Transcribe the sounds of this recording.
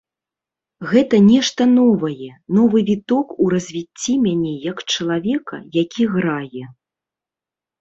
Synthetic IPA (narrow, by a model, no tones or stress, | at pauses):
ɣɛt̪ɐnʲɛʂt̪ɐnɔvɐjɛnɔvɨvʲit̪ɔkuɾɐzʲvʲit͡sʲːimʲanʲɛjɐkt͡ʂɐlˠavʲɛkɐ̰jakʲiɣɾajɛ